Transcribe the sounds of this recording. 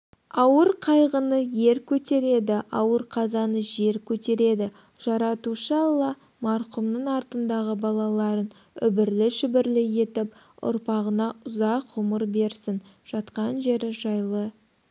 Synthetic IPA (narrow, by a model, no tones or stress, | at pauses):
ɑwəɾqʰɑjʁənəje̞ɾkʲʰɵt̪e̞ɾe̞d̪ɪɑwəɾqʰɑzɑnəʒe̞ɾkʲʰɵt̪e̞ɾe̞d̪ɪ | ʒ̥ɑɾɑt̪uʃɑlˠɑ | mɑɾqʊmnəɴɑɾt̪ənd̪ɑʁəbɑlˠɑlˠɑɾən | ʏbɪɾlɪʃʏbɪɾlɪje̞t̪ɪp | ʊ̰ɾpɑʁənɑʊzɑqʁʊməɾbe̞ɾsɪn | ʒ̥ɑt̪qɑnʒe̞ɾɪʒɑjlˠə